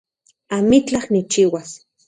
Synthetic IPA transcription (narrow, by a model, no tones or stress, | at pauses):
amit͡ɬahnit͡ʃiwas